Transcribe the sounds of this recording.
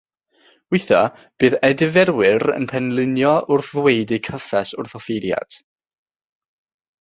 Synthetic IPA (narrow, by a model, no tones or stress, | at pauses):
wɪθɔ | b̥ɨːðɛdɪvɛɾwɪɾə̰npʰɛnlˠɪnjɔʔʊrθðwejdɨkʰəfɛsʊrθɔfeɾja̰d̥